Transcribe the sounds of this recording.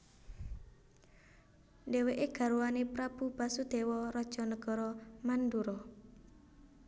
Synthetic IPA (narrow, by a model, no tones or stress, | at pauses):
ndɛweʔeɡ̥a̤ɾuanepɾab̥ṳbasud̪̥e̤wɔɾɔd̥ʒ̥ɔ̤nəɡ̥ɔ̤ɾɔmanduɾɔ